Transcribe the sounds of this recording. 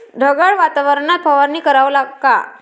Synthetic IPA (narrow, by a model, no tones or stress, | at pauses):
ɖʱəɡaɭʋat̪aʋəɾɳat̪̚pəʋanːiːkəɾaʋəlaɡka